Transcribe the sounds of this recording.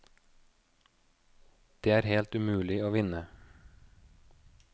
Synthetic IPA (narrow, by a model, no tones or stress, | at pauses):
d̪̥eːæːɾhelt̪ʉmʉːlɪoːʋɪnə